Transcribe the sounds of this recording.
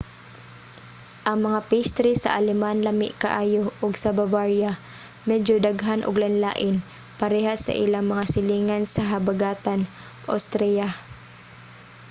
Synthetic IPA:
ʔɐŋmɐŋapist̪ɾisɐ̰ʔalɛmanlamɪ̰ʔka̰ʔaːjoʔʊɡsɐbabaɹja | mɛd͡ʒod̪aɡɦanʔʊ̰ɡlɐnlaːʔɪn | pɐɾɛɦasɐ̰ʔɪlaŋmɐŋasɪliːŋansɐɦɐbaɡaːt̪an | ʔo̰wst̪ɾɛja

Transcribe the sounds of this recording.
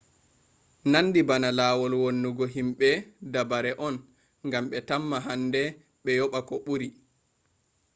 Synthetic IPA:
nanːdibanalaːwɔlwonːuɡɔɦimɓɛdabaɾɛʔɔn | ŋɡamɓɛtamːaɦandɛ | ɓɛjɔɓakɔɓuɾi

